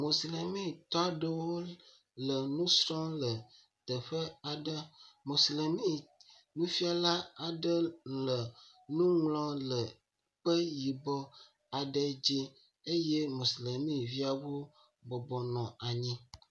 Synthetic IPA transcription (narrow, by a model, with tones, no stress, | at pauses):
mo˨sle˨mĩ˦t̪ɔ˦a˦ɖə˦wo˦ | lə˨nũ˦sɾɔ̃˦lə˨ | t̪ə˨ɸə˦a˨ɖə˦mo˨sle˨mĩ˦˨ | nũ˦fi˦a˨la˦a˨ɖə˦lə˨ | nũ˦ŋlɔ̃˦lə˨ | k͡pə˦ji˨bɔ˦ | a˨ɖə˦d͡ʑi˦ | e˦je˦mo˨si˨le˨mĩ˦vi˦a˨wo˦ | bɔ˨bɔ˨nɔ̃˨a˨ɲĩ˦